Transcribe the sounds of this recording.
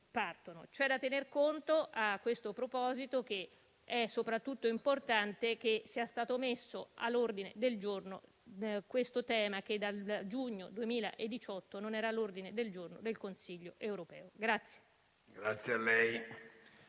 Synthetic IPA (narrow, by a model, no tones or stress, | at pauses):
part̪ono̰t͡ʃoɛd̪ːat̪ːenerkont̪oʔakːwest̪opɾopɔːzit̪ok̟e | ɛsːopɾat̪ːut̪ːoimport̪ant̪ek̟esiːast̪aːt̪omesːoa̰lːord̪inḛd̪eld͡ʒorno̰ | kwest̪ot̪ɛːmak̟ed̪ːald͡ʒuɲːo̰d̪uemiːla̰ʔed̪ːit͡ʃɔt̪ːononɛːɾalːord̪ined̪eld͡ʒornod̪elkonsiʎːoʔewɾopɛːoɡɾat̪sːje̥ | ɡɾat̪sjealːɛj